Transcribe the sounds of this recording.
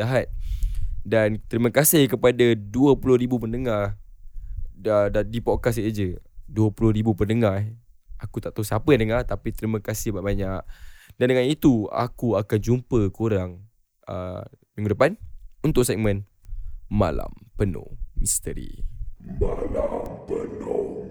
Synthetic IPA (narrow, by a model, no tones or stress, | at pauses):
aɦat̪̚ | dant̪əɾiməkasɪhkəpadaduəpulʊhɾibupənəŋar | əddipɔkas̬ad͡ʒəduəpulʊhɾibupərnəŋah | ʔakut̪aʔt̪əsapəandəŋart̪apit̪ɾiməkasɪhbaʔbaɲaʔdandəŋanit̪ua̰kuakand͡ʒumpəkuɾaŋ | ə̰mĩŋɡudəpanunt̪ʊʔ̚sɛk̚mə̃n | ma̰la̰mpəno̰mist̪əɾḭmala̰mpəno